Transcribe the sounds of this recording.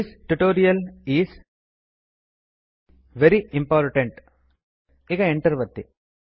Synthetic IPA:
ɪsʈuʈoːɾiɐlis | ʋɛɾiɪ̃mpɔːɾʈə̃ɳʈ | ɪkɐɛ̃ɳʈəɾʋɐt̪ːi

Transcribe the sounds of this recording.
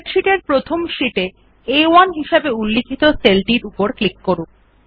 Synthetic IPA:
ʈʃiʈeɾpɾot̪ʰomʃiʈe | ewanɦiʃebeulːikʰit̪oselʈiɾupoɾklikːoɾu

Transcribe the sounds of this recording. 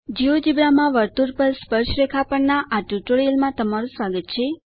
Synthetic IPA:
d͡ʒiod͡ʒibɾamãʋəɾt̪uɾpəɾspəɾʃɾekʰapəɳnaʔaʈuʈoɾijəlmãt̪əmaɾũsʋaɡət̪t͡ʃʰe

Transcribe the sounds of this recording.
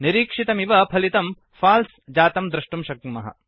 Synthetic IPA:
niɾiːkʂit̪ɐmiʋɐpʰɐlit̪ɐm | faːls | d͡ʒaːt̪ɐmd̪ɾɐʂʈumʃɐk̪̚mɐɦɐ̰

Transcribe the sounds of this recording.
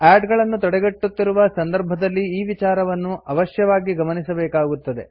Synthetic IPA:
aːɖɡɐɭɐnːut̪ɔɽɛɡeʈːut̪ːiɾuʋɐsɐnd̪ɐɾbʱɐd̪ɐlːiiːʋit͡ʃaːɾɐʋɐnːuɐʋɐʃjɐʋaːɡiɡɐmɐnisɐbɛːkaːɡut̪ːɐd̪e̞

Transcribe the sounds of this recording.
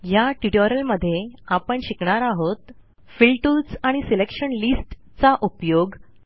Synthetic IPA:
jaʈiʈoɾəlməd̪ʱːjeapəɳɕikɳaɾaɦot̪ | filʈulsaɽ̃iselekɕəɳlisʈ | t͡saʔupjoɡ

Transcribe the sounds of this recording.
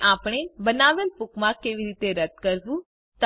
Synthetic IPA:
ʔapɽ̃ebənaʋelpukmãkeʋiɾit̪eɾəd̪̚kəɾʋũ | t̪

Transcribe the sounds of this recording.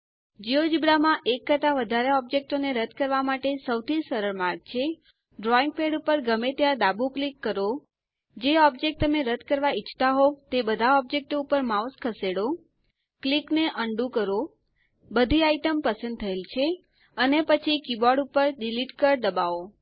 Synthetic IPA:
d͡ʒiod͡ʒibɾamãʔekːət̪aʋəd̪ʱaɾeɔb̚d͡ʒek̚ʈoneɾəd̪̚ʱkəɾʋamaʈesəwt̪ʰisəɾəɭmaɾɡ̚t͡ʃʰe | ɖɾɔiŋɡ̚peɽupəɾɡəmet̪jãd̪abʱuklikːəɾo | d͡ʒeɔbd͡ʒek̚ʈ̚t̪əmeɾəd̪̚ʱkəɾʋait͡ʃʰt̪aɦot̪ebəd̪ʱaɔb̚d͡ʒek̚ʈoupəɾmauskʰəseɽo | klikneʔəɳɖũkəɾo | bəd̪ʱiaiʈəmpəsə̃nd̪̚t̪ʰəelt͡ʃʰe | ənepət͡ʃʰikibɔɖupəɾɖiliʈkəɾd̪əbao

